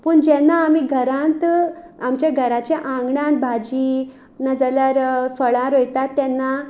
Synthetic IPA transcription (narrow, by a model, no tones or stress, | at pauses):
puːɳd͡ʑɛnːaːmiːɡʱəɾãnt̪ | amt͡ɕẽɡʱəɾat͡ɕẽʔãŋɡɳãnt̪̚bʱad͡ʑi | nəd͡zaljaɾfəɭãɾojt̪at̪ːɛnːa